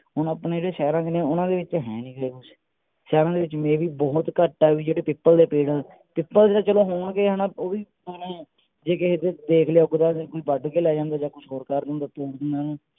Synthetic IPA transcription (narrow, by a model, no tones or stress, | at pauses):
ʊnəpnẽːd͡ʒeːɽeːʃɛːɾãːd͡ʒɪnẽːʊnãːd̪eːʋɪt͡ʃɦɛ̃ːnĩːkəɾeːkʊt͡ʃʰ | ʃɛːɾãːd̪eːʋɪt͡ʃmẽːʋiːbɔːt̪kəʈːaːʋiːd͡ʒeːɽeːpɪpːəld̪eːpeːɽəl | pɪpːəld͡ʒeːɽaːt͡ʃəloːɦoːɳkeːɦɛːnaːoːiː | menõː | d͡ʒeːkeɦd̪eːd̪eːkʰleaːʊɡd̪aːkoːiːbəɖkeːlɛːd͡ʒãːnd̪aːd͡ʒaːkʊʃʰɦoːɾkaːɾd̪ə̃nd̪aːt̪oːɾd̪ɪnd̪aːnũː